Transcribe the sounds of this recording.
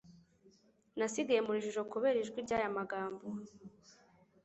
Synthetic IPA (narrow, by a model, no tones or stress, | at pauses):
nasiɡaje̞muɾiʒuʒo̞kuβe̞ɾiʒɡwiɾɟaːjamaɡaːmbo